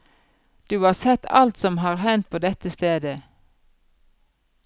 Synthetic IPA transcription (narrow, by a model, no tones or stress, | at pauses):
d̪̥ʉːɑːsɛt̪ɑ̰lt̪sɔmɦɑːʁhɛnt̪̚pʰoːd̪ɛt̪əst̪eːd̪ə